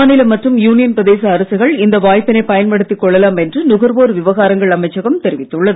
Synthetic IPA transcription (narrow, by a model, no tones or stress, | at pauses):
ɐːnɪlɐmɐʈrɯmjuːnɪjɐnpɾɐðeːsɐːɾɐsɪɣɐɭɪnd̪ɐʋaːjpːɪnɐɪpɐjɐnpɐɽɯt̪ːikːɔɭːɐlaːmɛndrɯnʊɣɐɾʋoːɾʋɪʋɐɣaːɾɐŋɡɐɭɐmɐɪt͡ʃːɐɣɐmt̪ɛɾɪʋɪt̪ːɯɭːɐðɯ